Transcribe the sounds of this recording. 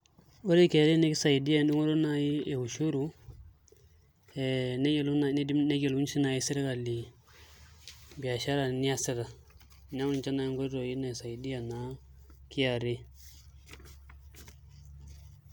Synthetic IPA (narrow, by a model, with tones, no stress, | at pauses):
o˦ɾe˦ki˨a˨ɾi˦ne˦ki˦sa˨i˨di˦ja˦˨du˦ŋo˦ɾo˦na˦ji˦e˨hu˨ʃu˦ɾu˦ | ɛ˨n˦ln˨˦i˦ne˦ɡe˨lu˦nsi˦na˨ji˦si˦ɾa˦ka˨li˨ | bi˨a˨ʃa˦ɾa˨ni˦a˦si˦ɾa˨ | n˦a˦u˦ni˨t͡ʃa˦na˦ji˦ŋɡo˦to˨ji˦na˨sa˨i˨di˦ja˨na˨˦ki˦ja˨ɾi˦